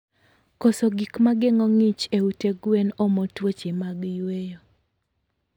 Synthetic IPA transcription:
kosoɡikmaɡɪŋɔŋit͡ʃeuteɡwenɔmotwot͡ʃemaɡjwejo

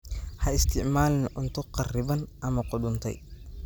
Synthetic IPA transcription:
hɐɪst̪ʰɪʕmaːlɪnʔʊnt̪ʰʊqɑrɪβɐnʔɐmɐqʊɖʊnt̪ʰɛ̰j

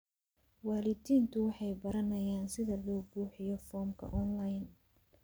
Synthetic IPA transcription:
waːlɪd̪iːnt̪ʰʊwɑħɑjbɐɾɐnɐjaːnsɪðɐlɔːbuːħɪjɔfɔːmkʰɐ̰ʔɔnlɐjn

